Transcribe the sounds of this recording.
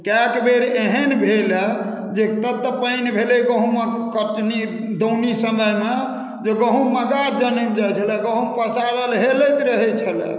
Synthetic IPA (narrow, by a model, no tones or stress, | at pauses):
kakbʱeɾeɦənbʱelɛ | d͡ʒet̪əb̚t̪əpəjnbʱeleɡəɦũme | kəʈni | d̪ownisəməjme | d͡ʒeɡəɦũməɡad͡ʒənəmd͡ʒajt͡ʃʰəlɛɡəɦũpəsaɾəlɦeləjt̪ɾəɦɛt͡ʃʰəlɛ̰